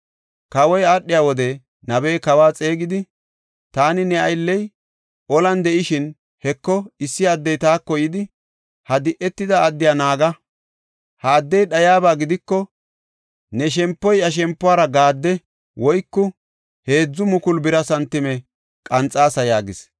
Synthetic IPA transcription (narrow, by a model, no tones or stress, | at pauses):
kɐwɔjaɗːɪjaːwɔd̪ɛ | nɐbɛjkɐwaːt͡sʼeːɡɪd̪ɪ | t̪aːnɪnɛɐjlːɛj | ʔɔlɐnd̪ɛʔɪʃɪn | hɛkːɔɪsːɪɐd̪ːɛjt̪aːkːɔjɪd̪ɪ | hɐd̪ɪʔɛt̪ːɪd̪ɐːd̪ːɪjaːnaːɡɐ | hɐːd̪ːɛjɗɐjaːbaːɡɪd̪ɪkːɔ | nɛʃ̬ɛmpːɔjɐʃ̬ɛmpːʊaːɾɐɡaːd̪ːɛ | wɔjkːʊ | he̞ːd͡zːʊmʊkʊlbɪɾɐsɐnt̪ːɪmɛ | kʼɐnt͡sʼːaːsɐjaːɡɪs